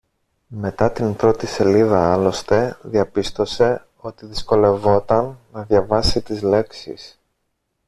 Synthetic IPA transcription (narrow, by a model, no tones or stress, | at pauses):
me̞t̪ɐt̪impɾo̞t̪ise̞liðɐɐlo̞st̪e̞ðiɐpist̪o̞se̞ | o̞t̪iðisko̞le̞vo̞t̪ɐnːɐðʝɐvɐsit̪izle̞ksḭs